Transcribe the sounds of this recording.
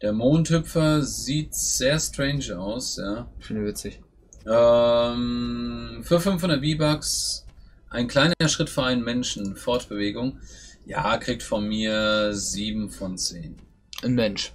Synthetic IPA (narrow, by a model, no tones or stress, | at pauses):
d̥eːɐmoːnthʏpfɐziːtz̥eːɐstʁ̥ɛɪnʃaʊsjaːfɪndəvɪt͡sɪç | ʔɛm | fyːɐfʏnfhʊndɐt̚b̥iːbaks | ʔaɪnkl̥aɪnɐɐʃʁ̥ɪtfyːɐʔaɪnənmɛnʃn̩fɔɐtb̥əveːɡʊŋja̰ːkʁ̥iːk̚tfɔnmiːɐziːbm̩fɔnt͡sḛːn | nmɛnʃ